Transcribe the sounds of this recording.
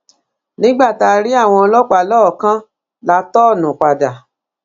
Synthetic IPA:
nĩ˦ɡ͡ba˦˨ta˧ɾi˦a˦˨w̃ɔ̃˧ɔ˧lɔ˦k͡pa˨lɔ˦˨kã˦ | la˧˦tɔ˦˨nũ˨k͡pa˨da˨

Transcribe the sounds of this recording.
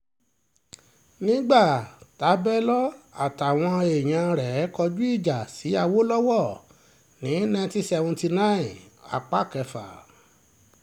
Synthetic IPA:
nĩ˦ɡ͡ba˦˨ta˨˦bɛ˦lɔ˦a̰˨ta˨w̃ɔ̃˧e˨j̃ã˧ɾɛ˨˦kɔ˧d͡ʒu˦i˦˨d͡ʒa˨si˨˦a˧wo˦lɔ˦wɔ˦˨ | nĩ˨˦nã˧ti˧sɛ˧wũ˧ti˧nã˦ĩ˨a̰˨k͡pa˦˨kɛ˧fa̰˨

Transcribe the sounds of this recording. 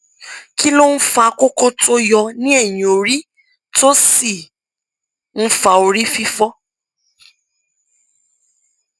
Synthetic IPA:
ki˦lo˦n̩˦fa˧ko˦ko˦to˦jɔ˧nĩ˦ɛ˦˨jĩ˨o˨ɾi˦ | to˦si˦˨ | n̩˦fa˧o˧ɾi˦fi˦fɔ˦

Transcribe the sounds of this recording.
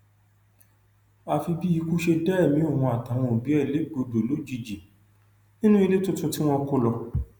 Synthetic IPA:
a˧fi˧bi˦i˧ku˦ʃe˧dɛ˦ɛ˦˨mĩ˨˦o˦˨hɔ̃˧a˨ta˨˦w̃ɔ̃˧o˨bi˨˦ɛ˦˨le˨˦ɡ͡bo˧do˨lo˨˦d͡ʒi˨d͡ʒi˨ | nĩ˦nũ˦i˧le˦tũ˦tũ˦ti˦w̃ɔ̃˧ko˦lɔ˧

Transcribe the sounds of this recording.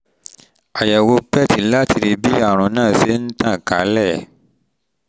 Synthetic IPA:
a˨jɛ˨wo˧pɛ˦˨ti˨la˦ti˧ɾi˧bi˦a˦˨ɾ̃ũ˨˦nãː˦˨se˦n̩˦tã˦˨ka̰˨˦lɛ˦˨

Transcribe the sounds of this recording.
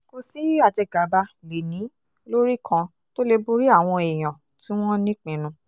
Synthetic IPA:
ko˧si˨˦a˦˨d͡ʒɛ˧ɡa˨˦ba˧le˨nĩ˨˦ | lo˦ɾi˦kʰã˧ | to˦le˧bu˦ɾi˦a˦˨w̃ɔ̃˧e˨j̃ã˨ | tĩ˨˦w̃ɔ̃˦nĩ˦k͡pĩ˨˦nũ˧˦

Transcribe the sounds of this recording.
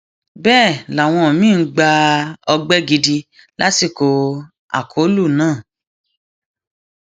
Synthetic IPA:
bɛː˦˨la˨w̃ɔ̃˧˨mĩ˦˧˦ɡ͡ba˧ɔ˧ɡ͡bɛ˦ɡi˧di˧ | la̰˦si˦˨ko˧ | a̰˨kʰo˨˦lu˦˨nãː˦˨

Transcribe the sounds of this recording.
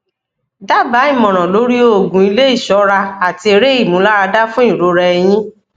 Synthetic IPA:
da˦ba˨˦i˦˨mɔ̃˨ɾ̃ɔ̃˨lo˨˦ɾi˦o˦o˦˨ɡũ˨i˧le˦i˦˨ʃɔ˨˦ɾa˧a˨ti˧e˧ɾe˦i˦˨mũ˨˦la˦ɾa˧da˦fũ˦ĩ˦˨ɾo˧˦ɾɛ˧ɛ˧j̃ĩ˦

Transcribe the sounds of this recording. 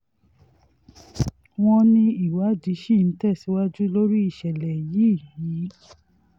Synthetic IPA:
w̃ɔ̃˧nĩ˧i˨wa˨˦˨d͡ʒi˨˦ʃi˦˨n̩˨˦tɛ˦˨si˨˦wa˦d͡ʒu˦lo˦ɾi˦i˦˨ʃɛ˨lɛ˨ji˨˦˨ji˨˦

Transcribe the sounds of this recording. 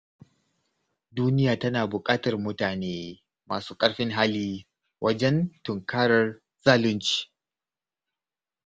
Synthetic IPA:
duː˦nɪ˦jaː˨tɐ˦naː˨bʊ˨kʼaː˦tɐ˨rmʊ˦taː˨neː˦ | ma̰ː˨suː˦kʼɐ˦ɽɸɪ˦ŋɦaː˦liː˦ | wʔɐ˦d͡ʒɛ˦ntʊ˨ŋkaː˦ɽɐ˨r | zaː˦lʊ˦nt͡ʃi̥ː˨

